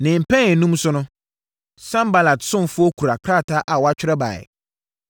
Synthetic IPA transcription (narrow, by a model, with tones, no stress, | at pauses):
nɪ̃˨m̩˨pʰɛ̃˦ɛ˨nũ˦msʊ˦nʊ̃˦ | sã˦mba˦la˨tsʊ̃˦n˨fʊ˦ɔ˦kʰu˨ɾa˨kʰɾa˦˨tʰa˦ʔa˨wɔ˨˦a˦t͡ɕᶣɪ˦ɾɛ˦ba̰˨ɛ̰˨